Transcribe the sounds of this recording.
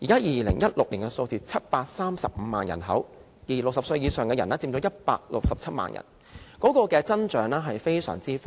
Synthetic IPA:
jiː˨˩kaː˥jiː˨lɪ˨˩ŋjɐ˥t̚lʊ˨k̚liː˨˩ŋkɛ˧so˧wt͡siː˧t͡sʰɐ˥t̚paː˧k̚saː˥msɐ̰˨p̚m̩˨˧ma̰ː˨njɐ̰˨˩nɦɐ̰˨˥w | jiː˨˩lʊ˨k̚sɐ˨p̚sɵ˧ɥjiː˨˧sœː˨˩ŋkɛː˧jɐ˨˩nɛː˥t͡siː˧mt͡ʃɔː˨˥jɐ˥t̚pa̰ː˧k̚lʊ˨k̚sɐ˨p̚t͡sʰɐ˥t̚ma̰ː˨njʔɐ̰˨˩n | kɔː˨˥kɔː˧kɛː˧t͡sɐ˥nt͡ʃœː˨˥ŋlɛː˥ɦɐ˨jfe˥jsœ̰ː˨˩ŋt͡siː˥f

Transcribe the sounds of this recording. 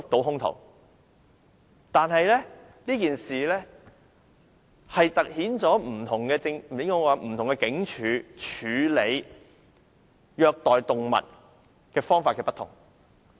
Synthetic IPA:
ʊ˨˥k̚t̪o˨˥wɦʊ˥ŋt̪ʰo̰˨˩w | t̪aː˨nɦɐ˨jlɛː˥ | liː˥kiː˨nsiː˨lɛː˥ | hɐ˨jt̪ɐ˨k̚hiː˨˥nt͡sɔː˨˥m̩˨˩t̪ʰʊ˨˩ŋkɛː˧t͡sɪ˧ŋ˨ɪ˨˥ŋkɔː˧waː˨˧m̩˨˩t̪ʰʊ˨˩ŋkɛ˧kɪ˨˥ŋt͡ʃʰyː˨˧t͡ʃʰyː˨˧le˨˧j | jœː˧k̚t̪ɔː˨jt̪ʊ˨ŋmɐ̰˨t̚ | kɛː˧fɔː˥ŋfaː˧tkɛː˧pɐ˥t̪ʰʊ̰˨˩ŋ

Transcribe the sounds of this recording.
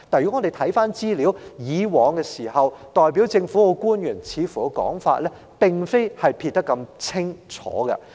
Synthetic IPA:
t̪aː˨jy˨˥ŋɔ˨˧d̪e˨jt̪ʰɐ˨˥jfaː˥nt͡siː˥liː˨˥wjiː˨˧wɔː˨˧ŋkɛː˧siː˨˩ɦɐ˨wt̪ɔː˨jp̬iː˨˥wt͡sɪ˧ŋfu˨˥wo˨˧kuː˥njyː˨˩nt͡sʰiː˨˧fuː˨˩kɐ˧kɔ̰ː˨˥ŋfa̰ː˧t̚lɛː˥ | pɪ˨ŋfe˥jhɐ˨jpʰi˧t̚t̪ɐ˥kːɐ˧mt͡sʰɪ˥ŋt͡ʃʰɔ̰ː˨˥ɡɐ̰˧

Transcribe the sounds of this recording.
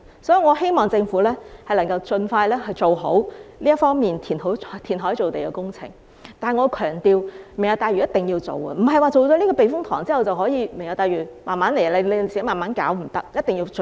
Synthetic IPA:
sɔː˨˥ji˨˩ŋɔː˨˧ɦe˥jmɔː˨ŋt͡sɪ˧ŋfuː˨˥lɛː˥hɐ˨jlɐ˨˩ŋkɐ˧wt͡sɵ˧nfaː˧jlɛː˥hjt͡so˨wɦo̰˨˥wliː˥ɐ˥fɔː˥ŋmiː˨nt̪ʰiː˨˩nɦo˨˥˨t̪ʰiː˨˩nɦɔː˨˥jt͡so˨wt̪e˨jkɛ˧kʊ˥ŋt͡sʰɪ̰˨˩ŋ | t̪aː˨˩ŋɔː˨˧kʰœː˨˩ŋt̪iː˨wm˨˩ŋjɐ˨˧wt̪aː˨˧jyː˨˩jɐ˥t̪ɪ˨ŋjiː˧wt͡so̰˨wɐ̰˧m̩˨˩ɦɐ˨jwaː˨˩t͡so˨wt͡sɔː˨˥liː˥kɔː˧pe˨jfʊ˥ŋt̪ʰɔ̰ː˨˩ŋt͡siː˥hɐ˨˩wt͡sɐ˨wɦɔː˨˥jiː˨˧me˨˩ŋjɐ˨˧wt̪aː˨˧jɥyː˨˩maː˨nmaː˨˥nle˨˩jɐ˧le˨˧le˧siː˨ke˧˥maː˨˩maː˨˧˥nkaː˨˥wm̩˨˩t̪ɐ˥k̚jɐ˥t̪̚ɪ˨ŋji˧w

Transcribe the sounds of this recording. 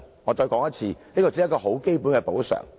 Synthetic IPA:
ŋɔː˨˧t͡sɔː˧jkɔː˨˥ŋjɐ˥t̚t͡sʰiː˧niː˥kɔ˧˩t͡siː˧˥jɐ˥tkɔː˧ɦo˨˥wke˥jpuː˨˥nkɛː˧po˨˥wsœ̰ː˨˩ŋ

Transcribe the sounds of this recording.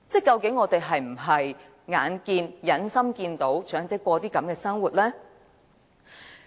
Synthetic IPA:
t͡sɛː˥˩kɐ˧wkɪ˨˥ŋːɔː˨˧t̪e˨jɦɐ˨jm̩˨˩ɦɐ˨j | ŋaː˨˥nkiː˧njɐ˨˥nsɐ˥mkiː˧nt̪o˨˥wt͡ʃʰœː˨˥ŋt͡sɛː˨˥kʷɔː˧t̪iː˥kɐ˨˥mkɛː˧sɐ˥ŋwuː˨t̚lɛː˥

